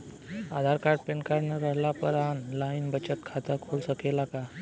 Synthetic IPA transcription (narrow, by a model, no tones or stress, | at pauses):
ad̪ʱaɾkaɾɖ̚peɳkajnəɾəɦlapəɾanlainbət͡ɕət̪̚kʰat̪əkʰoɭsəkʰelaka